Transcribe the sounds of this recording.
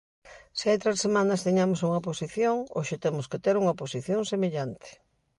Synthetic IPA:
seajt̪ɾesemanɐst̪eɲamosuŋɐposiθjoŋo̰ʃet̪emʊsket̪eɾuŋɐposiθjoŋsemeʎant̪ʰɪ̥

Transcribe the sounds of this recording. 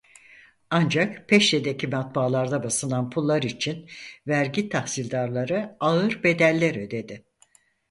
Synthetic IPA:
and͡ʒakpʰɛʃed̪e̞cʰimat̪̚baːlˠaɾd̪abasɯnanpʰulˠːaɾit͡ʃʰinvæɾɟit̪ʰahsilʲd̪aɾlˠaɾɯaɯɾbe̞d̪ælʲːeɾø̞d̪e̞d̪ɪ

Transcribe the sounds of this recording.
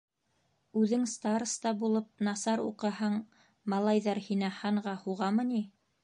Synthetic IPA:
ʉðɘŋst̪ɑrst̪ɑbulˠɤp̚nɑsɑɾṵqɤ̆hɤɴ | mɑlˠɑjðɑɾhinæhɑɴʁɑhuʁɑmɤ̆ni

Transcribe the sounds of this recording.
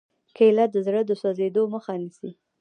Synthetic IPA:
kəɪlat̪̚d̪əzɽəd̪əsɑzed̪oməxanisi

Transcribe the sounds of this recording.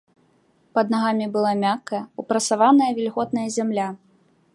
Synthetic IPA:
pɐd̪naɣamʲibɨlˠamʲakːɐjɐupɾɐt̪savanɐjɐvʲilʲɣɔt̪̚nɐjɐzʲamlʲa

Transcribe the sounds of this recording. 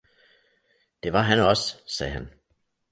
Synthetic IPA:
d̥e̝ʋɑ̈ɦænɒ̽ssɛ̰ːɦæn

